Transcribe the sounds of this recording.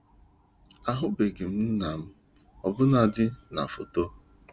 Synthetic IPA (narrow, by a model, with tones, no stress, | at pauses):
a˨ɦʊ˦be˨ɡɪ˨m̩˦n̩˦na˨m̩˦ | ɔ˨bʊ˦na˨dɪ˦na̰˨fo˨to˦